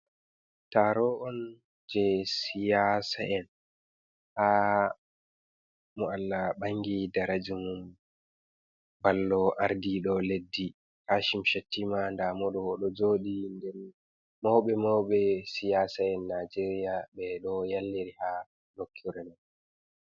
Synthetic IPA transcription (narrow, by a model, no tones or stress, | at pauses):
taɾɔʔɔn | d͡ʒɛsijasa̰ʔɛn | ha | mualːaɓaŋɡidaɾad͡ʒumum | balːɔʔaɾdiɗɔledːi | haːʃimʃatːimandamɔɗɔwɔɗɔd͡ʒoːɗindɛn | mɔwɓɛmɔwɓɛsijasaɛnːad͡ʒeɾijaɓɛɗɔjalːiɾiha | lokʰːiɾɛnan